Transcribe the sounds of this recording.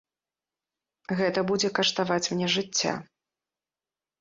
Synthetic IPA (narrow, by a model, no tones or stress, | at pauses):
ɣɛt̪ɐbud͡zʲɛkɐʂt̪avat͡sʲmnʲɛʐɨt͡sʲːa̰